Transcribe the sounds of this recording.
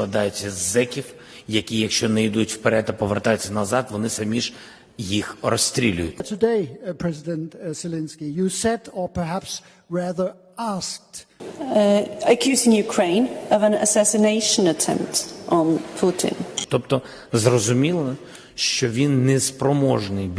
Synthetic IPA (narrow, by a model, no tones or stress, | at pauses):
ɐd̪ɑjʊt͡sʲːɐzɛkʲiw | jɐkʲijɐkʃt͡ʃɔnɛid̪utʲw̥peɾɛd̪ɐpɔʋert̪ɑjʊt͡sʲːɐnɐzɑd̪ʋɔnɪsɐmʲiʒ̥ | jixrɔsʲt̪ɾʲilʲʊ̰jʊtʲtʰɨdeɪpʰɹ̥ɛzɪdɛ̃ntsɪlɛ̃nskijɨsɛdəpʰə˞ɦæps | ɹæðə˞ | ask̚t | əkʰj̥ʉːzɪ̃ŋjʉkʰɹ̥ẽɪ̃nəvə̃nə̰sæsɪneɪʃə̃nətʰɛ̰̃mp̚tn̩pʰutʰɪ̰̃nt̪ɔpt̪ɔ | zrɔzʊmʲilˠɐ | ʃt͡ʃɔʋʲinːɛspɾɔmɔʒnɪjb